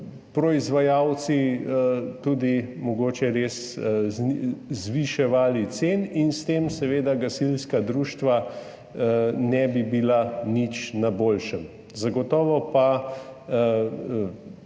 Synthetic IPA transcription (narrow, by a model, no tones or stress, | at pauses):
pɾɔizʋajawt̪si | t̪uːd̪imɔɡoːt͡ʃɛɾeːs | zʋiʃɛʋaːlit̪seːninst̪eːmsɛʋeːd̪aɡasilskad̪ɾuːʃt̪ʋa | nɛbibilanit͡ʃnaboːlʃəm | zaɡɔt̪ɔːʋɔpa